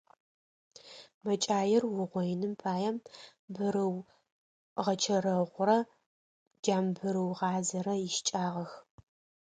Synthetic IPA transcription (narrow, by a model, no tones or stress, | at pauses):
mɐt͡ʃʼaːjɪrwʊʁʷɔjnɨmpʰaːjɛmbɨɾɨw | ʁɐt͡ʃʰɐɾɐʁʷʊɾɐ | d͡ʒaːmbɨɾɨwʁɑːzɐɾɐjɪʃt͡ʃʼaːʁɐx